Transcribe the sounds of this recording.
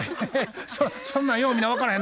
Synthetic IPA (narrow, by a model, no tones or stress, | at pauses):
sosõnːãjoːmʲinaβakaɾɯɦẽn